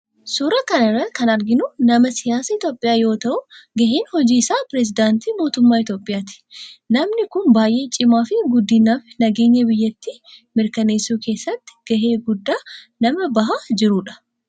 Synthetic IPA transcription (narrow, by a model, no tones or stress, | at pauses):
suɾɐkɐnɪrːɐkɐnɐɾɡɪnʊnɐmɐsɪjaːsɐɪt̪jo̞ːpʼːɪjaːjo̞ːt̪ɐʔʊɡɐhiːnhɔd͡ʒiːɪsaːpɾɛzɪd̪aːnt̪iːmo̞ːt̪ʊmːaːɪt̪jo̞ːpʼːɪjaːt̪ɪ̥nɐmnɪkʊnbaːjʔe̞ːt͡ʃʼɪmaːfɪɡʊd̪ːɪnːaːfnɐɡe̞ːɲːɐbɪjːɐt̪ːiːmɪɾkɐne̞ːsːuːke̞ːsːɐt̪ːɪ̥ɡ̥ɐɦe̞ːɡʊd̪ːaː | nɐmɐbɐɦaːd͡ʒɪɾuːᶑɐ̥